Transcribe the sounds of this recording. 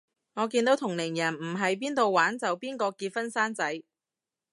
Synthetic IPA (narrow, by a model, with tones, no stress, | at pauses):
ŋɔː˨˧kiː˧nt̪o˨˥wt̪ʰʊ˨˩ŋlɪ˨˩ŋjɐ˨˩nm̩˨˩ɦɐ˨jpiː˥nt̪o˨wwaː˨˥nt͡sɐ˨wpiː˥nkɔː˧kiː˧t̚fɐ˥nsaː˥nt͡sɐ˨˥j